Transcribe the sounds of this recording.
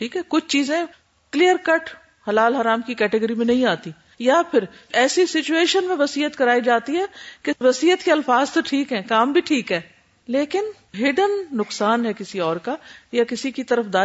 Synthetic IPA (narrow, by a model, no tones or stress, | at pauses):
ʈʰiːkɦɛːkʊt͡ʃʰt͡ʃiːzẽ | kliːjəɾkɐʈ | hɐlaːlɦɐɾaːmkikɛːʈɪɡəɾimẽnɐ̃ɦĩaːt̪i | japʰɪɾɛːsisɪt͡ʃueːʃənmẽʋɐsiːət̪kɐɾaːid͡ʒaːt̪iɦɛːkeʋɐsiːət̪keɐlfaːzt̪oʈʰiːkɦɛ̃ːkaːmbʱiʈʰiːkɦɛː | leːkɪn | ɦɪɖənːʊksaːnɦɛkɪsiɔːɾkajakɪsikit̪ɐɾəfd̪aː